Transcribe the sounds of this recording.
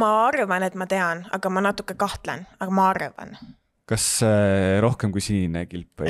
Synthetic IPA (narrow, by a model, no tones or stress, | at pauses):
mɑɑrvɑne̞t̪ˑmɑt̪e̞ɑnɑ̰ɡ̥ɑmɑnɑt̪ːˑukːˑekɑht̪lḛnɑɡ̥ɑmɑɑrvɑ̰n | kɑs | ɾo̞hkemkujsinnekilpːˑḛ